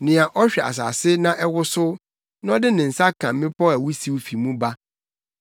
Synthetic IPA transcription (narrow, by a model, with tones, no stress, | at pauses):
nɪ̃˨a˨ʔɔ˦ɕᶣɛ˨a̰˨s̬a̰ː˨sɪ˦nã˦ʔɛ˦wʊ˦sʊ˦ | nã˦ɔ˦dɪ˦nɪ̃˨n̩˨sa˦kʰã˨m˦ɪ̃˦pɔ˦æ˨wʊ˦si˦wu˦fi˨mũ˦ba˦